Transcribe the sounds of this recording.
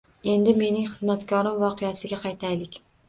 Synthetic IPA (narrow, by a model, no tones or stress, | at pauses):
e̞nd̪ɪme̞nɪŋχɨzmat̪kʰʲɒɾɪmvɒqʰejasɪɡʲaqʰɑjt̪ʰajlɪkʲ